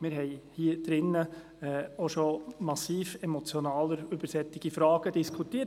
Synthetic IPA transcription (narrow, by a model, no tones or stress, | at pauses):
mɪɾɦɛɪhiːəd̥ɾɪnːə | ɛoʃomɑsiːfɛmɔt͡sjɔnɑːləɾøb̥əɾsɛtːɪɡ̥ifɾɑːɡ̥əd̥iskʰutiːə